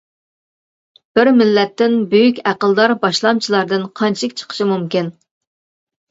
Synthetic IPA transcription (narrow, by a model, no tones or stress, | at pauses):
b̥ɪɾmɪlːɛt̪ːɪnbøjykʲæqəlˠd̪ɑɾbɑʃlˠɑmt͡ʃʰilˠɑɾd̪ɨnqʰɑnt͡ʃʰɪkʲt͡ʃʰə̥qʰə̥ʃimumkʲin